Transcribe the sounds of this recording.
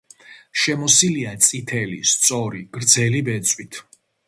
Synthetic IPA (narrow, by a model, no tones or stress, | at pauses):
ʃɛmɔsiliat̪sʼit̪ʰɛlḭst̪sʼɔɾiɡ̥ɾd̪zɛlibɛt̪sʼwit̪ʰ